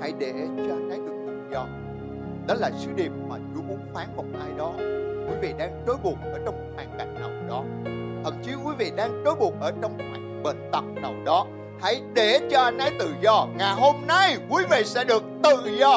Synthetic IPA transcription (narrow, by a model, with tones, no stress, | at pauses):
ha̰˧˥˩jɗe˧˩t͡ɕɔ˧ʔa˧nʔa˨˦jɗɨ˨˩ək̚t̪ɨ̰˨zɔ˧ | ɗɔ˨˦laː˨˩sɨ˨˦ɗi˨˩əmːaː˨˩t͡ɕu˨˦mu˨˦nfaː˨˦nvə˧˩ŋ͡mʔaː˧jɗɔ˨˦kwi˨˦vḭ˧˨ɗaː˧ŋɗo˨˦jɓu˨˩ək̚ʔəː˧˩t͡ɕɔ˧wŋ͡m̚faː˧˩nka˨˩j̚nə˨˩wɗɔ˨˦ | t̪ʰə˨˩t̚t͡ɕi˨˦kwi˨˦vḭ˧˨ɗaː˧ŋɗo˨˦jɓu˨˩ək̚ʔəː˧˩t͡ɕɔ˧wŋ͡mma˨˩k̚ɓḛ˧˨nt̪ə˨˩wk͡p̚nə˨˩wɗɔ˨˦ | ha˧˥˩jɗe˧˩t͡ɕɔ˧ʔa˧jnʔa˨˦jt̪ɨ˨˩zɔ˧ŋaː˨˩jɦo˧mna˧jkwi˨˦vḭ˧˨sɛ̰˧˥ɗɨ˨˩ək̚t̪ɨ˨˩zɔ˧